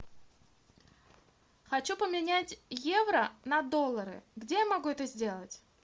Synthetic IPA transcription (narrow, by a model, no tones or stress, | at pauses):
xɐt͡ɕupəmʲɪnʲætʲje̞vɾənɐd̪o̞lˠːəɾɨ̰ɡdʲejamɐɡuɛt̪əzʲdʲe̞lˠətʲ